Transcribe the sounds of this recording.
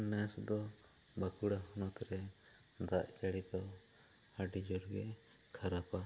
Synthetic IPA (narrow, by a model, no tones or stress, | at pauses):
nɛsd̪ɔ | bakuɽahɔnat̪ɾɛ | d̪aʔkaɽit̪ɔw | aɖid͡ʒɔɾɡɛ | kʰaɾapa